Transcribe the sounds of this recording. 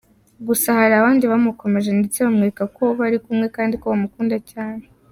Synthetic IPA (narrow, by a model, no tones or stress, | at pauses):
ɡusahaɾiaβaːndiβamuko̞me̞ʒe̞ndet͡se̞βamŋeɾekako̞βaɾikumŋe̞kaːndikoβamukuːndacaːne̞